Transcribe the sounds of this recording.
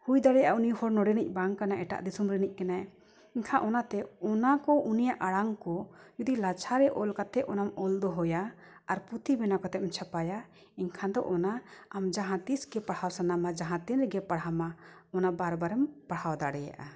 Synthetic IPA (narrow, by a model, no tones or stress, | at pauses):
hujd̪aɽɛjaʔaunijhɔɾnɔɽɛnic̚ˀbaŋkanaʔɛʈa̰ʔd̪isumɾɛnic̚kɛna | iɲkʰãʔɔnat̪ɛɔnakɔʔunijaʔaɽaŋkɔd͡ʒud̪ilat͡ʃʰaɾɛʔɔlkat̪ɛʔʔɔnamɔld̪ɔɦɔjaː | ɾput̪ibɛnakɔt̪ɛʔ̪ɛmt͡ʃʰapaja | iɲkʰãd̪ɔ̰ʔɔnaamd͡ʒaɦãt̪isɡɛpaɽhawsanamad͡ʒaɦãt̪ɛnɾɡɛpaɽhama | ɔnabaɾbaɾɛmpaɽhawd̪aɽɛja̰ʔa